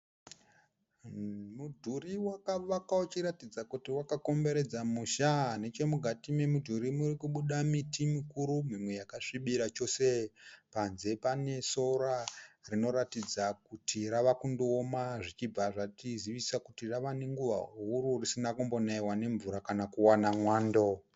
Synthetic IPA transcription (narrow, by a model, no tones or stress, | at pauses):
mudʱuriwakaʋakaut͡ʃiɾatid͡zakutiwakako̞mbe̞ɾe̞d͡zamuʃane̞t͡ʃe̞muɡʱatime̞mudʱuɾimurikuɓuɗamitimikuɾumimwe̞jakaʂiɓiɾat͡ʃo̞sepanze̞pane̞so̞ɾarino̞ɾatid͡zakutiɾaʋakundoːmaʐit͡ʃib͡vaʐatiziʋisakutiraʋaneŋɡuʋa̰ɦuɾurisinakumbo̞naiwane̞ɱvuɾakanakuwanamwaːndo